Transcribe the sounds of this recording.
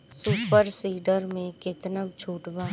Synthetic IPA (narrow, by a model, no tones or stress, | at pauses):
suːpəɾsiːɖəɾmẽkɪt̪nəb̚d͡ʒʰʱuːʈbaː